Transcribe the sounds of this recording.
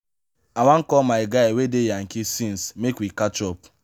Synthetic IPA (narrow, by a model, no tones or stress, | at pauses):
awaŋ̩kɔmaɪɡaɪwedejaŋ̩kisĩnsmekwikat͡ʃɔp̚